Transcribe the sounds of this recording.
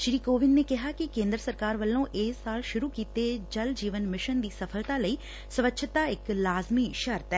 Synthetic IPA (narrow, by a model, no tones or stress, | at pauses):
ʃɾiːkoːʋɪnːeːkɪɦaːkɪkẽːnd̪ɾəsəɾkaːɾʋəlːõːʔeːsːaːlʃʊɾuːkiːt̪ed͡ʒəld͡ʒiːʋənmɪʃənd̪iːsəpʰəlt̪aːləiː | səʋətːʃʰt̪aːɪklaːzmiːʃəɾt̪ɛː